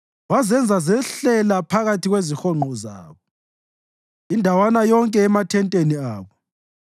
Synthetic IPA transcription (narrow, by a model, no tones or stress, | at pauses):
wazɛnd͡zʱazɛɬɛlapʰaɣatʰiɣwezixɔŋ͡ǃʱɔza̰ːβɔ | indʱawanajɔŋkʼɛːmatʰɛntʼeniaːβɔ